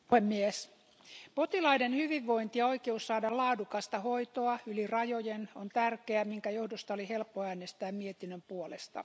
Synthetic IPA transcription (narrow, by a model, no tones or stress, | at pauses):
phemːies | pot̪ilɑidenhyʋiʋːo̞int̪iɑo̞ikeusːɑːdɑlɑːdukɑst̪ɑhoit̪oɑylirɑjojenont̪ærkeæmiŋkæjohdost̪ɑolihe̞lpːoæːnest̪æːmmiet̪inːømpuolest̪ɑ̰